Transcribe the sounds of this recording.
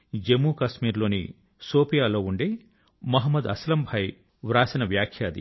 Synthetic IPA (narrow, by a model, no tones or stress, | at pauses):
d͡ʒemuːkɐʃmiːɾlo̞ːnḭ | soːpijaːlo̞ːuɳɖeː | mɐɦɐmːɐd̪ɐslɐmbʱɐj | ʋɾaːsɐnɐʋjaːkʰjaːd̪ḭ